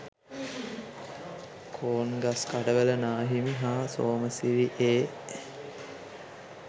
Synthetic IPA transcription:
kʰoːnɡaskaɖəʋələnaːɦimiɦaːsoːməsiʋiʔeː

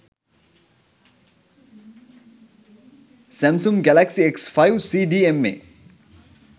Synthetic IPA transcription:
sɛ̃msumɡɛlæksieksfajwsiːɖiːemːḛ

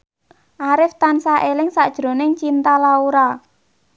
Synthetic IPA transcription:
ʔaɾɪft̪ansaʔelɪŋsa̰ʔd̥ʒ̥ɾo̤nɪŋt͡ʃint̪alauɾa

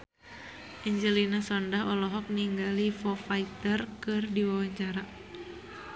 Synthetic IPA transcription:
ʔɛɲd͡ʒəlinasɔndaɦɔlɔɦɔk̚niŋɡalifɔfait̪ərkɨrdiwawaɲt͡ʃaɾa

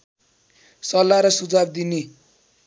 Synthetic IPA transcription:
sʌlːaɾʌsud͡zab̚d̪ine

